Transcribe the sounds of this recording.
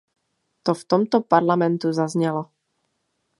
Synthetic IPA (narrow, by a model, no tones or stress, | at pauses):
t̪ɔft̪ɔmt̪ɔpaɾlamɛnt̪uzazɲɛlɔ